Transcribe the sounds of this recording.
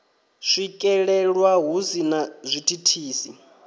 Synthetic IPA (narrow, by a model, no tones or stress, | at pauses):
ʂʷikʼɛɺɛɺwaɦuzinazʷitʰʼitʰiːsi